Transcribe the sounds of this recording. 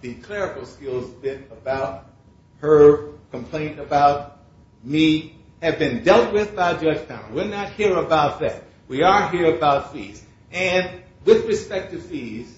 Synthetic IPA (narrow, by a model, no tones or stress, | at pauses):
ðɨkʰl̥ɛɹɨkl̩ˠskɪlˠzbɪ̃nəbaʊt̚ | hə˞kʰə̃m̩pʰl̥ẽɪ̃ntɨbaʊt̚ | mi | ɨvbɨ̃ndɛlˠt̚wɪðbaɪd͡ʒʌd͡ʒ̥tʰã̰ʊ̃wɪnət̚hiɹəbaʊt̪̚ðɨ̰t̚ | wiə˞ɦiɹɨbaʊtfḭz̥ | ɨ̃n | wɪðɹɨspɛk̚tɨfiz̥